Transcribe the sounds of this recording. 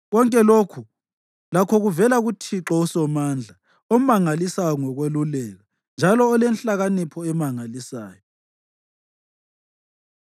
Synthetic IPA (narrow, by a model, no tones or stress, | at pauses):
ɣɔŋkʼɛlokʰu | lakʰɔɣuvɛlaɣutʰiǁɔusɔmand͡ɮʱa | ɔmaŋalisaɔŋɔɣwelulɛɣa | nd͡ʒʱalɔːlenɬaɣanipʰɔɛmaŋalisa̰ːjɔ